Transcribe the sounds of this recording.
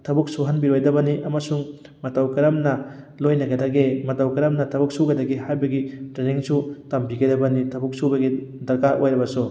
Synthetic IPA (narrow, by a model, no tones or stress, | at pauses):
tʰɐbuk̚suɦɐnbiɾojdɐbɐniʔɐmɐsuŋ | mɐtawkɐɾɐmnɐ | lojnɐɡɐdɐɡemɐtawkɐɾɐmnɐtʰɐbuk̚suɡɐdɐɡihajbɐɡitɾeniŋsutɐmbiɡɐjdɐbɐnitʰɐbuk̚subɐɡidɐɾkaʔojɾɐbɐsu